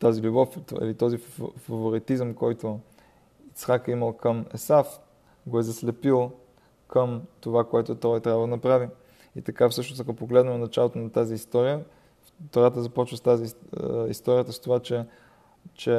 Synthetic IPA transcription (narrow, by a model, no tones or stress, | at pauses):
t̪azilʲubɔfḭlit̪ɔzifɐvoɾit̪izəmkɔjt̪o | it̪sxakəiməlˠkəmɛ̰saf | ɡoɛzɐslɛpilˠ | kəmt̪ovakoɛt̪ʊt̪ɔjt̪ɾʲabvəd̪ənɐpɾavi | ḭt̪ɐkafsɤʃnosakopoɡlɛd̪nəmnɐt͡ʃalˠot̪onɐt̪aziːst̪ɔɾijə | t̪oɾat̪əzɐpɔt͡ʃvəst̪aziḭst̪ɔɾijət̪əst̪ovat͡ʃɛ | t͡ʃɛ